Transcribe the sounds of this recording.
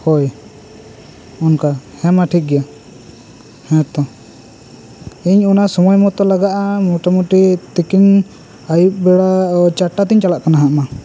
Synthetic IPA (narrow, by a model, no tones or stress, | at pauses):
hɔj | ɔnkahɛ̃maʈʰik̚ɡɛja | hɛ̃t̪ɔ | iɲɔnasɔmɔjmɔt̪ɔlaɡaʔamɔʈamuʈit̪ikin | ajup̚bɛɽat͡ʃaʈat̪iɲt͡ʃalaʔkanaɦaʔma